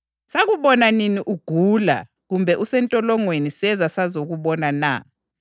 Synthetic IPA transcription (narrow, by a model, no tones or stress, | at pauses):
saɣuβɔnaniniʔuɡ̥ʱuːla̰ | ɣumbʱɛʔusɛntʼɔlɔŋwenisɛzasazoɣuβɔnana̰